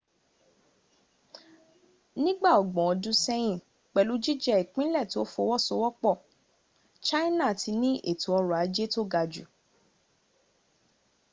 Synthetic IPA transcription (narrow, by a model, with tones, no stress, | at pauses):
nĩ˦ɡ͡ba˦˨ɔ˨ɡ͡bɔ̃˨ɔ˨˧dũ˦sɛ˦j̃ĩ˦˨ | k͡pɛ˨lu˨˦d͡ʒi˦d͡ʒɛ˧i˨k͡pĩ˦lɛ˦˨to˨˦fo˧wɔ˦so˧wɔ˦k͡pɔ˦˨ | t͡ʃa˦i˦nã˦˨ti˧nĩ˦ʔe˦˨tũ˨ɔ˧ɾɔ˨a˨˦d͡ʒe˦to˦ɡa˧d͡ʒu˨